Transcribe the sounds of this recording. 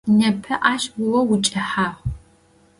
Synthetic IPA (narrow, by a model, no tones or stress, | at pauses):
nɐpʰɐʔaːʃɡʊwɐwʊt͡ʃʼɐħaːʁ